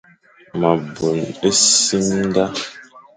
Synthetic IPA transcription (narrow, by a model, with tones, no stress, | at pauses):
ma˨bu˨ne˦si˦m˦da˦